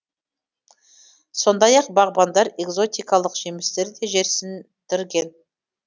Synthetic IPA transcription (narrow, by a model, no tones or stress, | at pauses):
so̞nd̪ɑjɑq̚bɑʁbɑnd̪ɑɾe̞ɡzo̞t̪ijkɑlˠəqʒemɪst̪e̞ɾd̪e̞ʒe̞ɾsɪn | t̪ʰɪɾɡʲe̞n